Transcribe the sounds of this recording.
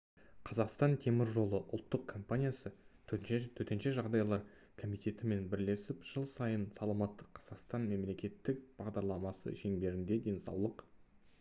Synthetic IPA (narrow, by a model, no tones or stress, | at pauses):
qʰɑzɑqst̪ɑnt̪ʰe̞mɪɾʒo̞lˠəʔʊ̰lˠt̪ːəq̚kʰo̞mpanʲijasə | t̪ʰɵt̪enʃeʒɑʁd̪ɑjlˠɑɾ | kʰo̞mijt̪ʲe̞t̪ɪme̞nbɪɾle̞sɪpʒ̥əlˠsɑjənsɑlˠɑmɑt̪ːəqʰːɑz̥ɑqst̪ɑnme̞mle̞kʲe̞t̪ːɪkb̥ɑʁd̪ɑɾlˠɑmɑsə̰ʒeŋbe̞ɾɪnd̪e̞d̪e̞nsɑ̰wlˠəq